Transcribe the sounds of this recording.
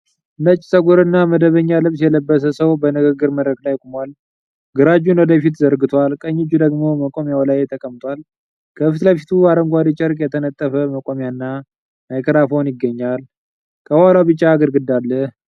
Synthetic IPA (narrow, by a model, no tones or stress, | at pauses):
ʔɨnət͡ʃʼːsʼəɡuɾɨnːaməd̪əβəɲːalɨβsjɛləbːəsəsəwbənɨɡəɡːɨɾməd̪ɾəklajkʼumwal | ɡɨɾad͡ʒunwɔd̪əfit̪zəɾɡɨt̪ʰwalkʼəɲːɪd͡ʒːud̪əɡmo̞məkʼo̞mjawlajt̪ʰəkʼəmt̪ʰʼwal | kʰəfɨt̪lajfi̥t̪ʰuaɾəŋɡʷad̪it͡ʃʼɛɾkʼjɛt̪ʰənət̪ʼːəfəməkʼo̞mjanːa | majkʰɨɾafownjɪɡːəɲːal | kʰəwalawbɨt͡ʃʼːaːɡəɾɡɨd̪ːalːəh